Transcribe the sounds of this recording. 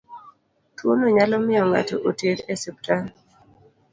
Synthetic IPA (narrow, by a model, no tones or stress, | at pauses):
twonoɲalɔmɪjɔŋa̰tɔʔoteɾɛsɛp̚tan